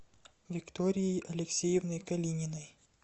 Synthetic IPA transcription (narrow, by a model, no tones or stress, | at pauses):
vʲɪkt̪ɔɾʲɪjejɐlʲɛksʲejɪvnɔjkɐlʲinʲɪnɐj